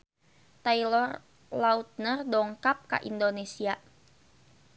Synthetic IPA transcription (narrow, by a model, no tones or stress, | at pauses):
t̪ailɔr | laut̪̚nərdɔŋkap̚ka̰ʔindonesia